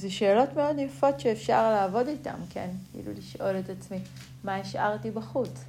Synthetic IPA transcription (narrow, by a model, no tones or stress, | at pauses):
zeʃe̞ːlo̞tme̞o̞djafo̞tʃeːfʃa̰ʁlaːvo̞dita̰mkʰḛnkḭlṵliʃʔo̞le̞tat͡smi | maeʃʔa̰ʁtibaχut͡s